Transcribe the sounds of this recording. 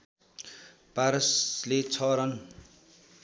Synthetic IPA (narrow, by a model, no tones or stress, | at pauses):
paɾʌslet͡sʰʌɾʌn